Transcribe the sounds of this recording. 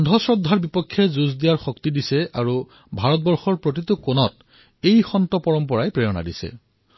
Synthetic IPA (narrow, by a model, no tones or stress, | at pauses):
ɔndʱɔsɹɔdʱːaɹbipɔkʰːjɛzuzdijaɹxɔktidisɛʔaɹu | bʱaɹɔt̚bɔɹxɔɹpɹot̬itʊkonɔt | ejxɔntɔpɔɹɔmpɔɹajpɹɛjɔna̰disɛ̰